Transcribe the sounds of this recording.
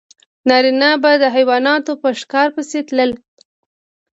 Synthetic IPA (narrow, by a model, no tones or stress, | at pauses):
nɑɾinabad̪əɦajwɑnɑt̪opəʂkɑɾpəset̪ləl